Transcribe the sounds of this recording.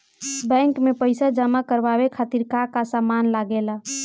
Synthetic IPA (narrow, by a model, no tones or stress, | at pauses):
bɛ̃ŋkmepəjsad͡ʒəmakəɾbaβekʰat̪iɾkakasamanlaɡela